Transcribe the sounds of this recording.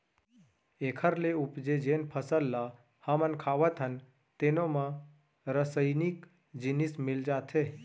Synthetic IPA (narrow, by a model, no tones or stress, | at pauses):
ekʰəɾleupd͡ʒed͡ʒenpʰəsəlːa | həmənkʰaːʋət̪ɦən | t̪enomã | ɾəsəjnik | d͡ʒɪnismɪld͡ʒaːt̪ʰe